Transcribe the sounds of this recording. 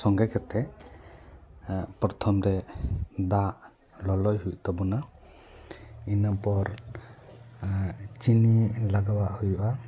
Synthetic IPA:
sɔŋɡɛkɛt̪ɛ | pɾɔt̪ʰɔmɾɛd̪aʔ | lɔlɔjhuj̚t̪ɔbɔna | inapɔɾ | t͡ʃinilaɡawaʔhujʔa

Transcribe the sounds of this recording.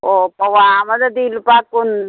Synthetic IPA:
opɐwamɐd̪ɐd̪ilpakun

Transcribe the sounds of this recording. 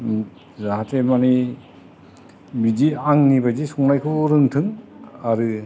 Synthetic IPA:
zaɦatʰemani | bid͡ʒiaŋnibazisɔŋnajkʰuɾɯŋtʰɯŋaɾɯ

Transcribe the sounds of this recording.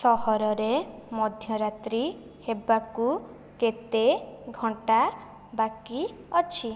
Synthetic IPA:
sɔɦɔɾɔɾemɔd̪ʱjɔɾat̪ɾi | hebaku | ket̪eɡʱɔɳʈa | baki | ɔt͡ʃʰi

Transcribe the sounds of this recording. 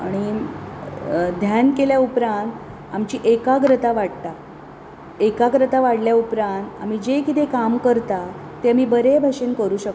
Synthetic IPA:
a̰ɽ̃i | d̪ʱjankeljaupɾãnt̪ | amt͡ɕiːʔekaɡɾət̪aʋaɽt̪a | ekaɡɾət̪aʋaɽljaupɾãnt̪am̤iːd͡ʑekit̪ekamkəɾt̪a | t̪eamiːbəɾebʱaɕenkəɾuːɕək

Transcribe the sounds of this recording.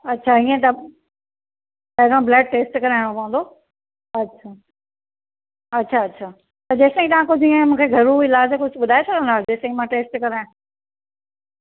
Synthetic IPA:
ɐtːʃʰaiːẽt̪ɐ | t̪ɐd̪ãblɛːɖ̚ʈeːsʈkɐɾaːɪɽ̃opɐ̃ɦnd̪oː | ɐtːʃʰa | ɐtːɕʰaɐtːɕʰaː | t̪ɐd͡ʑeːst̪ɐĩt̪ɐʋ̤ãkʊd͡ʑʱiːẽmũːkʰeɡʱɐɾuɪlaːd͡ʑekʊd͡ʑʱɓʊd̪ʱaːesʰɐkə̃nd̪aːd͡ʑeːsɐĩmãʈeːsʈkɐɾaːjʊ̃

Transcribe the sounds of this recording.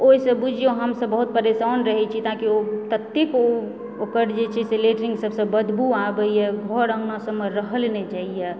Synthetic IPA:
oisəbud͡ʒʱioɦəmsəbːəɦut̪̚pəɾesaːnɾəɦɛt͡ʃʰit̪ãkiot̪ət̪ːiko | okəɾd͡ʒet͡ʃʰɛseleʈɾĩŋɡsəbsə̃bəd̪buabəijɛɡʱɔɾə̃ŋɡnasəmːeɾəɦəlnet͡ʃaiɛ

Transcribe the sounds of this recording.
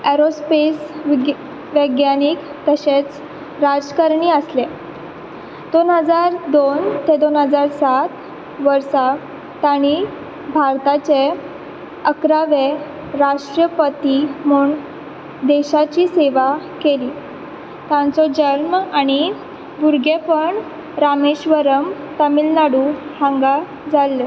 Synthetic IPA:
eɾospes | ʋəɡjanik | t̪əɕet͡s | ɾad͡zkəɾɳiːəsle | d̪̥onɦəd͡zaɾd̪ont̪ed̪onɦəd͡zaɾsat̪ | ʋəɾsa | t̪aɽ̃i | bʱaɾt̪at͡ɕe | əkɾaʋe | ɾaʂʈɾəpət̪imuːɳ | d̪eɕat͡ɕiːseʋakeliː | t̪ãnt͡sɔd͡ʑəɾmaɽ̃i | buɾɡepəɳ | ɾameɕʋəɾəm | t̪əmilnaɽuhãŋɡa | d͡zalːe

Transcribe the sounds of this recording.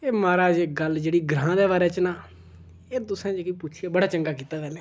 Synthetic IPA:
eːmaːɾaːd͡ʒeːɡəld͡ʒeːɽiːɡɾãːd̪ɛːʋaːɾɛːt͡ʃnaː | et̪ʊsãːt͡ʃkipʊt͡ʃʰiaːbəɽaːt͡ʃəŋɡaːkiːt̪aːbɛːlɛ̃ː

